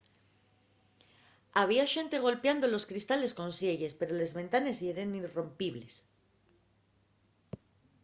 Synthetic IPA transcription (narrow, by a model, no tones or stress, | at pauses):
aβ̞iaʃe̞nt̪e̞ɣ̞o̞lpjand̪o̞loskɾist̪ale̞sko̞nsjeʝe̞spe̞ɾo̞le̞zβẽ̞nt̪ane̞sie̞ɾenirompiβle̞s